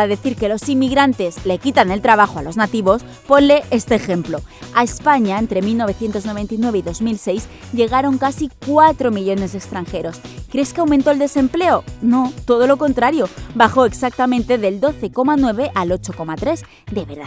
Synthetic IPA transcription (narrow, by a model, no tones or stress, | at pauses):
aðe̞θiɾke̞lo̞simːiɣɾant̪e̞zle̞kit̪ane̞lt̪ɾaβ̞axo̞alo̞znat̪iβo̞s | po̞nle̞ʔest̪e̞ːxe̞mplo̞ae̞spaɲaent̪ɾe̞milno̞β̞e̞θje̞nt̪o̞zno̞βe̞nt̪inwe̞βeiðo̞zmilse̞jz | ʎe̞ɣ̞aɾo̞ŋkasikwat̪ɾo̞miʎo̞ne̞zðe̞kst̪ɾaŋxe̞ɾo̞skɾe̞skeawmẽnt̪oeld̪e̞se̞mple̞o̞no̞t̪o̞ð̞o̞lo̞ko̞nt̪ɾaɾjo̞baxo̞e̞ksak̚t̪amẽnt̪e̞ðe̞ld̪o̞θe̞ko̞manwe̞βe̞ʔalot͡ʃo̞ko̞mat̪ɾe̞z | d̪e̞βeɾða